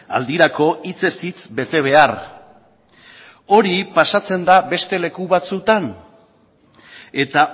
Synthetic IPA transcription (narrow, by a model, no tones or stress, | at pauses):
a̰ld̪iɾako̞it͡se̞sit͡sbe̞t̪e̞β̞e̞ar | o̞ɾipasat͡se̞nd̪abe̞st̪e̞le̞kuβat͡sut̪an | e̞t̪a